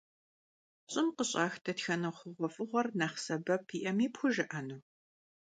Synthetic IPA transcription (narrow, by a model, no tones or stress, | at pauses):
ɕʼɪmqəɕʼɑːxtʰɐtxɐnɐχʷʊʁʷɔfʼɨʁʷɔrnaːχsɐbɐpʰiːʔɐmiːpxʷʊʒɨʔɐnuː